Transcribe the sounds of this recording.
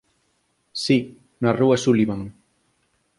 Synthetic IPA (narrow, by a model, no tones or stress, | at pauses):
si | naruasuliβaŋ